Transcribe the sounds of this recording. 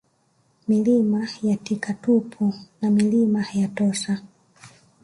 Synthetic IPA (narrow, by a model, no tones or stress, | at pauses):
milimajatikatupʰunamilimajatɔsa